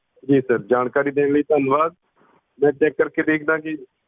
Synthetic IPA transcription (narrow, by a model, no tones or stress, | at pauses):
d͡ʒiːsəɾd͡ʒaːnkaːɾiːd̪ẽːnləiːt̪ənʋaːz | mɛ̃ːt͡ʃɛːkːəɾked̪eːkʰd̪ãːkɪ